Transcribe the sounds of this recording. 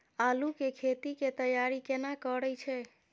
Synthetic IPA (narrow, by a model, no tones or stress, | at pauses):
alukekʰet̪iket̪əjaɾikenakəɾəjt͡ʃʰɛ